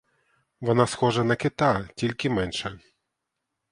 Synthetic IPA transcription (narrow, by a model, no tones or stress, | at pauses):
ʋɔnasxɔʐɐnɐkɪt̪atʲilʲkʲɪmɛnʃɛ